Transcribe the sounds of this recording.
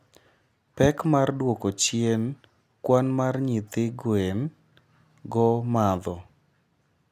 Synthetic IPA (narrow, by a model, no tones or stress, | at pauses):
pɛkmardwokot͡ʃjen | kwanmarɲɪt̪ɪɡwen | ɡɔmad̪ɔ